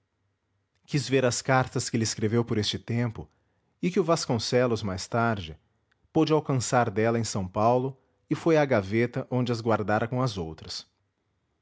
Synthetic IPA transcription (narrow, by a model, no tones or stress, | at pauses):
kizveɾɐskaɾt̪ɐskɪelɪɪskɾevewpoɾest͡ʃɪt̪ẽmpʊ | ɪkɪʊvaskõsɛlʊzmajst̪aɾd͡ʒɪ | pod͡ʒɪawkɐ̃saɾd̪ɛlɐẽsɐ̃w̃pawlʊ | ɪfojaɡavet̪ɐʔõd͡ʒɪɐzɡwaɾd̪aɾɐkõɐzowt̪ɾɐs